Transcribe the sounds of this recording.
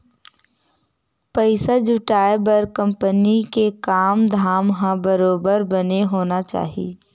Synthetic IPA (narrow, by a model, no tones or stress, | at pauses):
pəɪsad͡ʒʊʈaːebɐɾkə̃mpənikekaːmd̪ʱaːmɦãbɐɾoːbəɾbɐneɦoːnat͡ʃa̰ːɦie